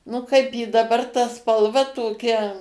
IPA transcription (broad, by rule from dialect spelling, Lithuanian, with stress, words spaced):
nʊ ˈkɐɪp jɪ dɐˈbɐr tɐ spɐlˠˈʋɐ toːˈkʲɛ